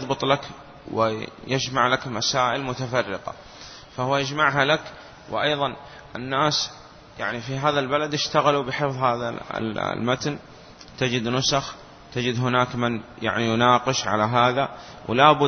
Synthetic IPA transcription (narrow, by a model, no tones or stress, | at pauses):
jðˤbɨt̪ˤlak | wɪ̰jɪd͡ʒmaʕlakmasaːʔɪlmʊt̪afɑrːɪqɑ̰ | fahʊwːajad͡ʒmaʕɦalak | wʔɑjðˤɑn | ʔɪ̰nːaːs | ja̰ʕnifiɦaːðalbalad̪jɪʃt̪aɣalubɪjħefðˤhaːða̰lmat̪n | t̪ad͡ʒɪd̪nʊsax | t̪ɪd͡ʒɪd̪ɦɪnaːkmanja̰ʕnijʊnaːqɨʃʕa̰laɦaːða | wlaːbʊ